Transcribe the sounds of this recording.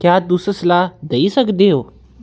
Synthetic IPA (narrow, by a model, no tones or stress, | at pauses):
kjaːd̪usəslaːd̪eisəkd̪eɦoː